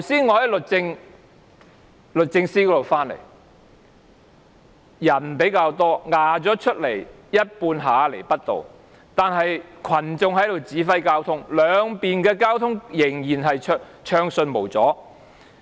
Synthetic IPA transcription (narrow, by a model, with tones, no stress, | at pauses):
t̪ʰwsiː˥nŋɔː˨˧˥hɐ˨jlɵ˨t̚t͡sɪ˧ŋ | lɵ˨t̚t͡sɪ˧ŋsiː˥kɔ˨˥do˨˩wfaː˥nlḛ˨˩j | jɐ˨˩npe˨˥jkaː˧wt̪ɔː˥ŋaː˨t͡sɔː˨˥t͡ʃʰɵ˥t̚le˨˩j | jɐ˥t̚puː˧nɦaː˨˧˥le˨˩jpɐ˥t̚t̪o̰˨w | t̪aː˨˧nɦɐ˨jkʰɐ˨˩nt͡sʊ˧ŋɦɐ˨˥jd̪o˨˩wt͡siː˨˥fɐ˥jkaː˥wt̪ʰʊ˥ŋlœː˨˧ŋpiː˨nkɛː˧kaː˥wt̪ʰʊ˥ŋjɪ˨˩ŋjiː˨˩nɦɐ˨jt͡ʃʰː | t͡ʃʰœː˧ŋsɵ˧nmo˨˩wt͡sɔː˨˥